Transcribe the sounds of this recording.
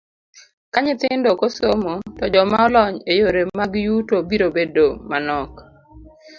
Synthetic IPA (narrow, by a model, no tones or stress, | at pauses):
kaɲɪt̪ɪndokosomotɔd͡ʒɔmaɔlɔɲejoɾemaɡjutobiɾobedomanɔk